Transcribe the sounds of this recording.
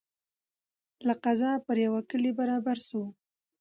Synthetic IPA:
laqazɑpəɾjawakəlebaɾɑbaɾsu

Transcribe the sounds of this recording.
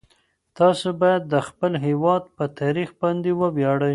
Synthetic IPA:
t̪ɑsobɑjad̪ːəxpəlɦewɑd̪̚pət̪ɑɾixbɑnd̪ewəwjɑɽəj

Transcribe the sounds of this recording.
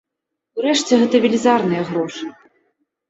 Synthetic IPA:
uɾɛʂt͡sʲɛɣɛt̪ɐvʲɪlʲizarnɨjɐɣɾɔʂɨ

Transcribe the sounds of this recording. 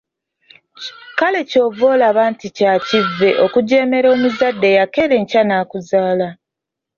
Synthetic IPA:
kale̞co̞ːvo̞ːlaβaːnticacivːe̞ʔo̞kuɟe̞ːme̞ɾo̞ːmuzadːe̞jake̞ɾe̞ɲcanaːkuzaːla

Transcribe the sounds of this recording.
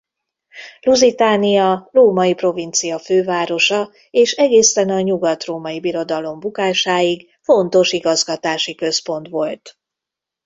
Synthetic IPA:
luzit̪aːnijɒroːmɒjipro̞vint̪sijɒføːvaːɾo̞ʃɒ | eːʃɛɡeːsɛnɒɲuɡɒt̪roːmɒjibiɾo̞d̪ɒlo̞mbukaːʃaːjiɡ | fo̞nt̪o̞ʃiɡɒzɡɒt̪aːʃikø̞spo̞nt̪ʋo̞lt̪

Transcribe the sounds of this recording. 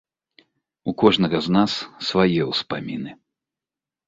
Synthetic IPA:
ukɔʐnɐɣɐznasːvajɛwspamʲinɨ

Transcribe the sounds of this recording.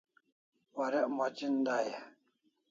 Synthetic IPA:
waɾɛʔmat͡ʃind̪aja

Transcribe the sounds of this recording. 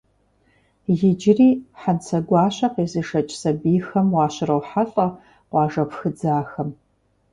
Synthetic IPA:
jɪd͡ʒriːħant͡sʰɐɡʷɑːɕʷɐqeːzɨʂɐt͡ʃʼsɐbiːxɐmwɑːɕɪrɐwħaɬʼɐ | qʷɑːʐɐpʰxɨd͡zaːxɐm

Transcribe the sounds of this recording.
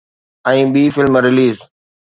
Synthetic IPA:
ə̃ĩːɓiːfɪlmɾɪliːz

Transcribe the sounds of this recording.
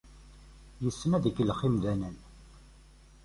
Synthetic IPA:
jəsːəmæðəɡːlχimðænən

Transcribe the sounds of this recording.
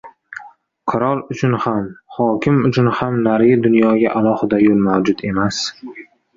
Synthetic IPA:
qʰɨɾɒlˠʊt͡ʃʰʊnhamhɒkʲʰɪmʊt͡ʃʰʊnhamnaɾɡɪd̪ʊnjɒɡʲaʔalˠɒhɪd̪ajolˠmawd͡ʒʊt̪e̞mas

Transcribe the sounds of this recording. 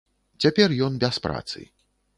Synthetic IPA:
t͡sʲapʲɛrjɔnbʲaspɾa̰t̪sɨ̰

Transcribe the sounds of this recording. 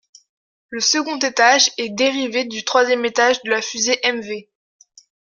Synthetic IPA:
ləsəɡɔ̃t̪et̪aʒɛd̪eʁived̪yt̪χwazjɛmet̪aʒd̪əlafyzeʔɛmve

